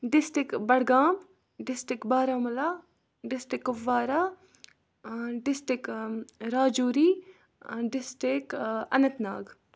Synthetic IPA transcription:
ɖɪsʈɪkbɐɽɡaːm | ɖɪsʈɪkbaːɾaːmɐlaː | ɖɪsʈɪkːʊʋːaːɾaː | ɖɪsʈɪkɾaːd͡ʒuːɾiː | ɖɪsʈɪkɐ̰nɐt̪na̰ːɡ

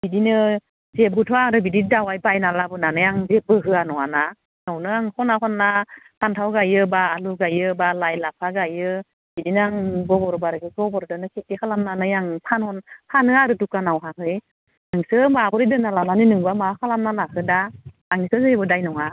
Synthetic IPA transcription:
bidinɯ | zep̚ɡutʰɔaɾɯbididawajbajnalabɯnanɯjaŋzep̚bɯɦɯanɔana | nawnɯaŋkʰɔnaɦɔnːakʰantʰawɡajɯbaːluɡajɯbalajlapʰaɡajɯ | b̥idinaŋɡɔbɔɾbaɾɯɡɯɡɔbɔɾdɯnɯkʰetikʰalamnanɯjaŋpʰanhɔnpʰanɯaɾɯtukanawɦaɦɯj | aŋsɯmabɔɾidɯnalananinɯŋbamakʰalamnalahʰɯda | aŋnisɯzɯbɯdajnɔŋa

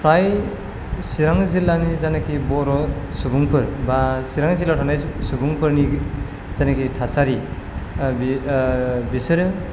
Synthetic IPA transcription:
pʰɾaj | siɾaŋzilanizanakʰibɔɾɔsubuŋkʰɯɾbasiɾaŋzilatʰanajsubuŋkʰɯɾni | z̥anakʰitʰasaɾi | bi | bisɯɾɯ

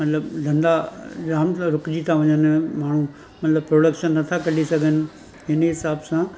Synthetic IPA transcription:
mɐt̪ləbd̪ʱɐ̃nd̪aɡɾaːmɾʊkd͡ʑit̪ʰaʋɐ̃ɲənmaːɳ̤ũ | mɐt̪ləbpɾoːɽəkʃənːɐt̪ʰakɐɗisɐɡʱənɪ̆ | ɦɪnɦɪsaːbsã

